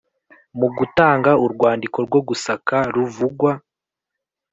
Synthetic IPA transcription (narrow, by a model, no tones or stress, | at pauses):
muɡutaːŋɡauɾɡwaːndiko̞ɾɡwo̞ɡusakaɾuvuɡwa